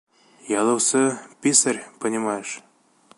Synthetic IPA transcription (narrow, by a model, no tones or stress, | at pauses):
jɑlˠɤ̆wsɤpʲisɘrʲpɤ̆nʲimɑjʃ